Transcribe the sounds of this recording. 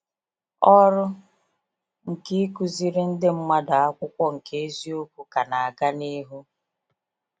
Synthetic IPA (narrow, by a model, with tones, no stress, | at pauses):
ɔ˦ɾʊ˦ | ŋ̩˨ki˦ku˨zi˦ɾɪ˦n̩˦dɪ˦m̩˦ma˦da˨a˦kʷʊ˦kʷɔ˦ŋ̩˨ke˦e˦zi˦o˦kʷu˦ka˨na˨a˨ɡa˦ni˦ɦu˦